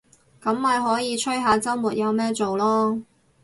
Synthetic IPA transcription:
kɐ˨˥mːɐ˨jɦɔː˨˥jiː˨˧t͡ʃʰɵ˥jɦaː˨˧t͡sɐ˥wmuː˨˩t̚jɐ˨˧wmɛː˥t͡so˨wlɔː˥

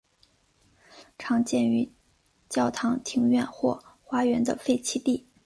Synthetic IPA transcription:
ʈ͡ʂʰɑ˧˥ŋt͡ɕjɛ˥˩ny˧˥ | t͡ɕjɑ˥˩ʊt̪ʰɑ˧˥ŋt̪ʰi˧˥ŋɥɛ˥˧nxwɔ̰˥˩xwa˧˥ɥɛ˧˥nd̪ə̰˧fe˥˧ɪt͡ɕʰi˥t̪i˥˩

